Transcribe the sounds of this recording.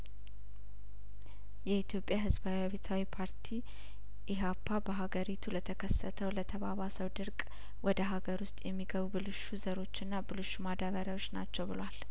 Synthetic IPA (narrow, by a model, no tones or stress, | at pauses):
jɛit̪jo̞pʼjaɦɨzbawiaβet̪ʰawipʰaɾt̪ʰi | ʔɪɦapʰːabəɦaɡəɾit̪ʰulət̪ʰəkʰəsːət̪ʰəwlət̪ʰəβaβasəwd̪ɨɾkʼ | wʔɔd̪əɦaɡəɾwʊst̪ʼjɛmːiɡəβubɨlɨʃuzəɾo̞t͡ʃːɨnːabɨlɨʃːumad̪aβəɾjawo̞t͡ʃːnat͡ʃːɛwbɨlwal